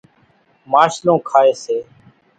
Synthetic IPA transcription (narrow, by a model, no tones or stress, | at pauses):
maːʃlõːkʰaːeːseː